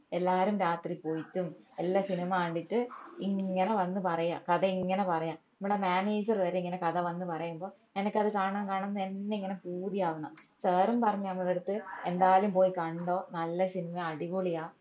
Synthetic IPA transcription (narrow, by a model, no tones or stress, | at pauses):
e̞lːaːɾumɾaːt̪ripoːjitːumelːasinimaːɐɳɖiʈːɨiŋːɐneʋɐnːɨpɐrɐja̰ːkɐðɐiŋːɐnepɐrɐjaːmnɐmːuɽemaːneːd͡ʑɐrʋɐɾeiŋːɐne̞kɐðɐʋɐnːɨpɐrɐjumboː | enɐkʲːɐðɨkaːɳaːmkaːɳunːɐðe̞nːeiŋːɐnepuːðijaːʋunːɐsɐːrumpɐrɐɲːɐnɐmːuɭeɽut̪ːɨe̞nd̪aːjlumpo̞ːjikɐɳɖo̞ːnɐlːɐsinimɐɐɽiʋoɭijaː